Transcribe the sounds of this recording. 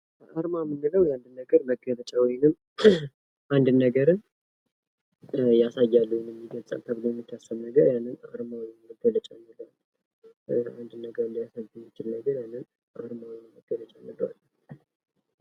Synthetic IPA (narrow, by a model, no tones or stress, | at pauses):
ʔaɾmamɨnːɨləwjand̪ɨnːəɡəɾməɡəβət͡ʃʼawɔjnɨm | ʔand̪ɨnːəɡəɾɨn | jasajːalːuwjinjɛmːiɡət͡sʼə̰lt̪ʰəβɨlojɛmːit̪ʰːasːəmnəɡəɾjanːɨnaɾmawməɡələt͡ʃʼanːɨlwalː | a̰nd̪ɨnːəɡəɾɨlːjasajːumːɪt͡ʃʰɪlnəɡəɾjanːɨn | ʔa̰ɾmawnməɡːələt͡ʃʼanːələwa̰lː